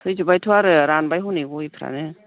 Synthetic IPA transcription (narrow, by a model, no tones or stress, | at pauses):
tʰɯjzubajtʰuwaɾɯɾanbajɦuneɡɔjpʰɾa̰nɯ